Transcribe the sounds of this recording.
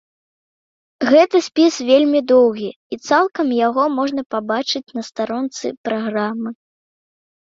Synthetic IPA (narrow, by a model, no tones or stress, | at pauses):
ɣɛt̪ɐsʲpʲisvʲelʲmʲid̪ɔwɣʲi | it̪salˠkɐmjaɣɔmɔʐnɐpabat͡ʂɨt͡sʲnɐst̪aɾɔnt̪sɨ̰pɾaɣɾamɨ